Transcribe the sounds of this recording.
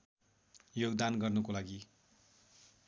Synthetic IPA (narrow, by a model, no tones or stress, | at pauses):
joɡd̪anɡʌrnʌkolaɡi